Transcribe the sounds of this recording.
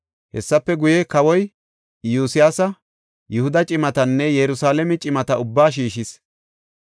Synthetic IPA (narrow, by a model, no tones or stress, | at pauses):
hɛsːɐpːɛɡʊjɛkɐwɔj | juːsɪjaːsɐ | jʊhʊd̪ɐt͡ʃʼɪmɐt̪ɐnːɛjɛɾʊsaːlɛmɛt͡ʃʼɪmɐt̪ɐʊbːaːʃ̬iːʃɪs